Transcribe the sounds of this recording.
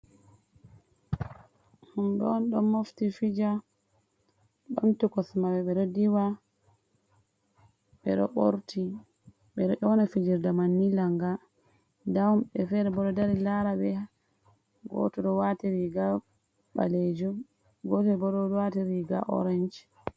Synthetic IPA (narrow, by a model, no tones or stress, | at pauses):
humɓɛ̰ɔnɗɔmoftifid͡ʒa | ɓamtukɔsmawɛɓɛɗɔdiwa | ɓɛ̰ɗɔ̰ʔoɾtʰi | ɓɛɗɔʔɔnafid͡ʒiɾdamanːilaŋɡa | dawmɓɛfɛɾɛbɔɗɔdaɾilaɾabɛ | ɡɔ̰tɔɗɔwatiɾiɡa | ɓa̰led͡ʒu | ɡɔtbɔɗɔwatiɾiɡa̰ʔɔ̰ɾɛnd͡ʒ